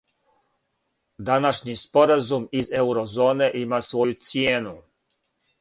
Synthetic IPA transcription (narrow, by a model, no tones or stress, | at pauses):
d̪anaʃɲispo̞ɾazumize̞wɾozo̞ːne̞ʔimasʋo̞jut̪sijeːnu